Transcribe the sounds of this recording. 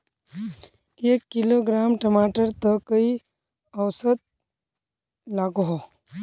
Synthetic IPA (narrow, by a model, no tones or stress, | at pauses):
eːkːɪloɡɾaːmʈəmaːʈəɾt̪əkəi | ɐʋsət̪̚ | laːɡɦo